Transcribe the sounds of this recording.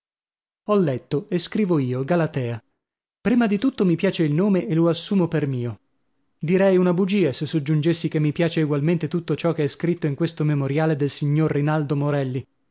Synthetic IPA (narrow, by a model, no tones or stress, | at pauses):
ɔlːɛt̪ːoeskɾiːvoiːoɡalat̪ɛːa | pɾiːmad̪it̪ut̪ːomipjaːt͡ʃeilnoːmeʔeloasːuːmopermiːo | d̪iɾɛjunabud͡ʒiːasesːod͡ʒːund͡ʒesːikemːipjaːt͡ʃeiɡwalment̪et̪ut̪ːot͡ʃɔkeɛskɾit̪ːoiŋkwest̪omemoɾjaːled̪elsiɲːorːinald̪omoɾɛlːi